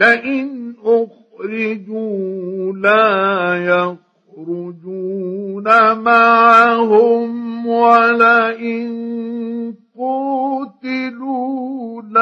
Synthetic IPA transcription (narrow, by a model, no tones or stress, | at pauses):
laʔɪnʔʊx | ɾɪd͡ʒuːlaːjax | ɾʊd͡ʒuːnamaʕaɦʊmwalaʔɪn | qut̪ɪluːla